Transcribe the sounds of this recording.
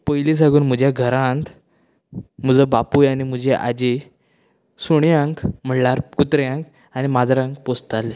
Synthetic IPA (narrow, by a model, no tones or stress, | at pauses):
pəjlis̬ãɡuːnm̤əd͡ʑjaɡʱəɾãnt̪ | m̤əd͡zəbapuːjanim̤ud͡ʑeʔa̰d͡ʑe | suɳjãŋkm̤əɳlaɾkut̪ɾjãŋk | animad͡zɾãŋk̚post̪ale